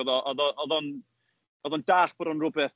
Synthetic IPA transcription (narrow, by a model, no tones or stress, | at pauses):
ɔðɔʔɔðɔʔɔðɔn | ɔðɔndaːɬb̥ɔɾɔnrʊbɛθ